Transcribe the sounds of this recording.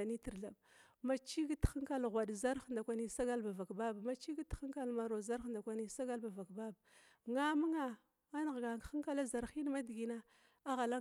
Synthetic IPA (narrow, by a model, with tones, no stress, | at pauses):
a˨ni˦ti˨ɾɮa˨b | ma˨t͡ʃi˦ɡi˦txə˦ŋka˦lɣʷa˨dza˦ɾxnda˨kʷa˨ni˨˦sa˦ɡa˦lba˨va˨kba˦ba˨ma˨t͡ʃi˦ɡi˦txə˦ŋka˦lma˨ɾo˨za˦ɾnda˨kʷa˨ni˨˦sa˦ɡa˦lba˨va˨kba˦ba˨ | ŋa˦mu˦ŋa˨ | a˦n˨ɣɡa˨xə˦ŋka˦la˦za˨ɾxi˦n˦ma˦dɡi˨na˦ | a˦ɣa˨la˦